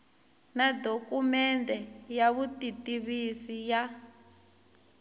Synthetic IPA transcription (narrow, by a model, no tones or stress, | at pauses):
nadokumɛndɛjaβutitiβisija